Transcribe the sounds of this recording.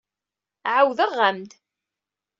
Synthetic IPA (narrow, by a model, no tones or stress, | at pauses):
ʕawðəʁːamd̪